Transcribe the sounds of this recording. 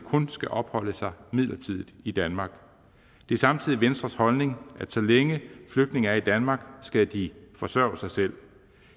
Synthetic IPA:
kʰɔ̽nsɡ̥æʔɒ̽b̥hɒ̽l̰əsɑ̈ɪmið̰ˠlɐt͡sʰið̞̰ˠð̩ˠid̥ænmɑ̈ːɡ̥ | d̥e̝sɑ̈mt͡sʰið̰ˠiʋensd̥ʁɐshɒ̽lne̝ŋʔæd̥sɒ̽leŋəfløɡ̥d̥ne̝ŋɐæɐid̥ænmɑ̈ːɡ̥sɡ̥æd̥ifɒ̽sɶɐ̰ʊsɑ̈ɪsel̰

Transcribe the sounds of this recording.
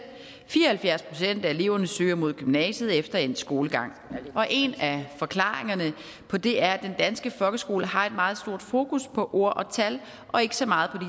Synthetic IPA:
fiːɐhælfjæɐspʰʁo̝sen̰d̥æe̝le̝ʊ̰ɐnəsø̰ːɐmo̝ð̞̰ˠɡ̥ymnɛ̰ːsð̩ˠefd̥ɐensɡ̥o̝ːləɡ̥ɑ̈ŋ̰ | ʔɒ̽ʔe̝næfɒ̽kʰlɑ̰̈ːʁeŋɐnə | pʰɒ̽d̥e̝æɐæd̥end̥ænsɡ̥əfɒ̽lɡ̥əsɡ̥o̝̰ːləɦɑ̈e̝d̥mɑ̈ːð̞̩ˠsd̥o̝ɐ̰d̥fo̝ːkuspʰɒ̽ʔo̝ɐ̰ʔɒ̽t͡sʰæl | ʔɒ̽e̝ɡ̥ə̥sɒ̽mɑ̈ːð̞̩ˠpʰɒ̽di

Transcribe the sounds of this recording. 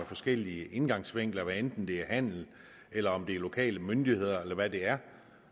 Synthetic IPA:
efɒ̽sɡ̥el̰iəʔe̝nɡ̥ɑ̈ŋsʋeŋ̰ɡ̥l̩ɐʋæend̥n̩d̥e̝æɐhæn̰l̩ | elɐɒ̽md̥e̝æɐlo̝kʰɛ̰ːləmønd̥ihe̝ð̞̰ˠɐelɐʋæd̥e̝æɐ

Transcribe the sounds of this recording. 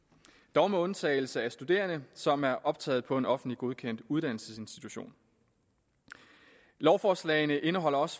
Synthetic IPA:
d̥ɒʊməɔ̽nt͡sʰɛ̰ːɪl̩səæsd̥ud̥e̝̰ːɐnəsɒ̽mæɐʔɒ̽b̥̚t͡sʰɛ̰ːð̩ˠpʰɒ̽e̝nɒ̽fn̩dliɡ̥o̝ðˠkʰen̰d̥uð̞ˠd̥æn̰l̩səse̝nsd̥it͡sʰuɕo̝̰ːn | lɒʊfɒːslɛ̰ɪnəʔe̝nəɦɒ̽l̰ɐɒ̽s

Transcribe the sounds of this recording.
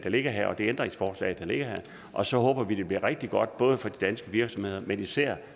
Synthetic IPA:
d̥ɑ̈le̝ɡ̥ɐɦæɐ̰ɒ̽d̥e̝end̥ʁeŋsfɒːslɛ̰ːɪd̥ɑ̈le̝ɡ̥ɐɦæɐ | ʔɒ̽sɒ̽ɦɔ̽ːb̥ɐʋid̥e̝b̥liɐ̰ʁeɡ̥̚d̥iɡ̥ɒ̽d̥̚b̥ɔ̽ːð̞ˠəfɒ̽d̥id̥ænsɡ̥əʋiɐɡ̥sɒ̽mhe̝ð̞̰ˠɐmenisæɐ̰

